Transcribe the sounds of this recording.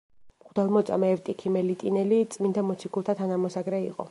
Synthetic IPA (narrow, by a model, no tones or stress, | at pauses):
χʼd̪ɛlˠmɔt̪sʼa̰mɛːvt̪ʼikʰimɛlit̪ʼinɛlit̪sʼmind̪amɔt̪sʰikʰulˠt̪ʰat̪ʰanamɔsaɡɾɛḭqʼɔ̰